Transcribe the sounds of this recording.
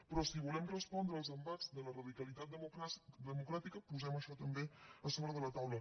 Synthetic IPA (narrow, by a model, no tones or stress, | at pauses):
pɾɔsiβulɛmrəspɔnd̪ɾəːlˠzəmbad͡zðələrəðikəlit̪at̪̚d̪əmukɾat̪ikəpuzɛməʃɔt̪əmbeəsoβɾəðələt̪awlə